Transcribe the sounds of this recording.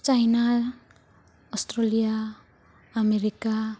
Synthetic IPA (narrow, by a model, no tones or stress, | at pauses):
t͡ʃajna | ɔstɾɔlijaː | meɾika